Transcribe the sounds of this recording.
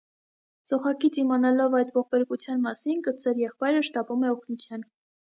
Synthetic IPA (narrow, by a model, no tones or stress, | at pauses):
t͡sɔχɑkit͡simɑnɑlɔvɑjd̪vɔχbɛɾkut͡sʰjɑnmɑsinkəɾt͡sʰɛɾjɛχpɑjɾəʃt̪ɑpumɛɔkʰnut͡sʰjɑn